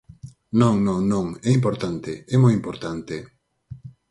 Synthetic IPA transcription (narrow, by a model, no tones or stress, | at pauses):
nõŋnõŋnõŋɛimp̬oɾt̪ant̪eɛmojimpoɾt̪ant̪e